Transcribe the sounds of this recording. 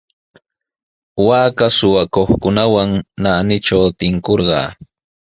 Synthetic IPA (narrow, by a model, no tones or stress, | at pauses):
waːkasʊwakoχkʊnawaŋnanɪʈ͡ʂawt̪ɪŋkoɾɢɑ̰ː